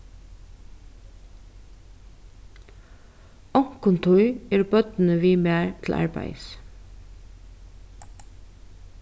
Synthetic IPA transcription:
ɔŋ̥kʊnt̪ʰʊjɛːɹbœt̪n̩əʋiːmæːɹt̪ʰɪlʔɑ̰ɹbæ̰ɪs

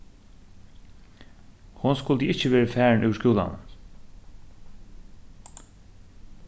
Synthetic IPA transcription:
hʊnskʊlt̪əɪt͡ʃəʋeːɹəfæːɹnʔʉːʋʃkuːla̰nə̰n

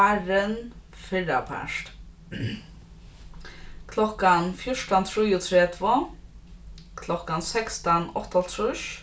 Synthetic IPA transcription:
aɾən | fɪɹa̰pʰæ̰ʂt̪ | kʰlɔkanfjʊʂʈant̪ʰɾujʊt̪ʰɹɛt̪vʊ | kʰlɔkansɛkst̪anɔht̪at̪ʰɾʊʃ

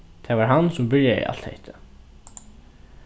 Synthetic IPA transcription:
t̪ʰɛːvaɹɦansʊmbɪɹjaḭʔa̰l̥t̪hḛht̪ɪ̥

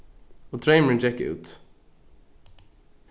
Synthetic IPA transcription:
ɔt̪ʰɹeɪməɹə̃nd͡ʒɛkəʉ̰ːt̪

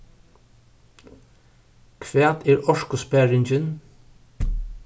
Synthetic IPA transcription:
kʰʋeːt̪iːɹʔɔʃkʊspæɹɪɲd͡ʒən

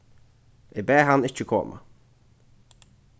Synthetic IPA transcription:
ɪbɛːhanɪt͡ʃːəkʰɔ̰ːmʔa̰

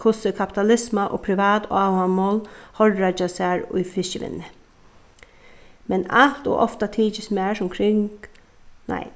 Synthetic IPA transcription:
kʰʊsəkʰapɪ̥t̪alɪsmaʔo̰ːpʰɾɪʋɑːt̪ːawamoːlhɔlɾat͡ʃasaɹʊ̰jfɪsəʋɪ̰nːɪ | mɛnal̥t̪ʊ̰ʔɔft̪at̪ʰiːt͡ʃɪsmæːʂʊmkʰɾɪŋk | na̰ɪ

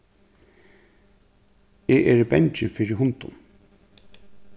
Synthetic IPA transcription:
eʔɛɾibɛɲt͡ʃɪfɪɾɪɦʊnt̪ʊ̰n

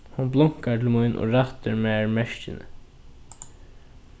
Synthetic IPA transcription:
hʊnblʊŋ̥kaʈʰɪlmʊjnʔo̰ːɹat̪əɹmɛːɹmɛʃcɪnə̰

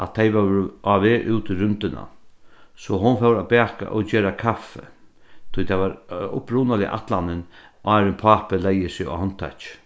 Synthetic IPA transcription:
ʔatt̪ʰejʋɛaʋeːɾʔuwt̪ʰɪɾʏnt̪ɪna̰ | sɔɦʊnfɛwɾabæːka̰ʔɔt͡ɕeːɾakʰafːɛ̰ | t̪ʰʊjt̪ʰaʋaɾʊ̰pɾunalɪ̰ʔa̰t̪lanɪnʔaːɾɪnpʰaːpɪlɛjɪsɪɔ̰hɔn̥t̪ʰːa̰t͡ʃ

